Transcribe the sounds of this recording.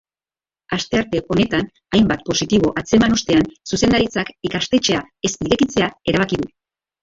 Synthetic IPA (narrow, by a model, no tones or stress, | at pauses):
ast̪e̞aɾt̪e̞ʔo̞ne̞t̪an | ajmbat̪̚po̞sit̪iβ̞o̞ʔat͡se̞manost̪e̞ansuse̞nd̪aɾit͡sakikast̪e̞t͡ʃe̞ae̞spiɾe̞kit͡se̞ae̞ɾaβ̞akiðu